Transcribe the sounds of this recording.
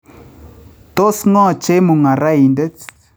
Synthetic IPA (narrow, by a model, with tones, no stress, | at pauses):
to˦sŋɔ˦˨t͡ʃe˦mu˨ŋa˨ɾa˦i˨ndə˦t͡s